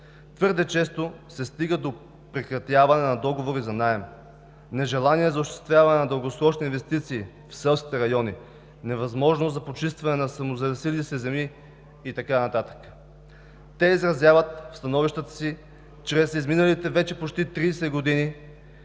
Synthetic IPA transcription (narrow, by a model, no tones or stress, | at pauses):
t̪vɤɾd̪ɛt͡ʃɛst̪osɛst̪iɡəd̪o | pɾɛkɾɐt̪javɐnɛnɐd̪ɔɡovoɾizɐnaɛm | nɛʒɛlˠaniɛzɐoʃt̪ɛ̥st̪vʲjavɐnɛnɐd̪əlˠɡosɾɔt͡ʃniinvɛst̪it̪siː | fsɛlˠskʲit̪ɛɾɐjɔni | nɛvɐzmɔʒnozɐpot͡ʃist̪vɐnɛnɐsɐmozɐɾɐsilisɛzɛmiː | t̪ɐkanɐt̪at̪ə̥k | t̪ɛizɾɐzʲjavət̪fst̪ɐnɔviʃt̪ət̪ə̥si | t͡ʃɾɛsizminəlit̪ɛvɛt͡ʃɛpot͡ʃt̪it̪ɾisɛɡod̪ini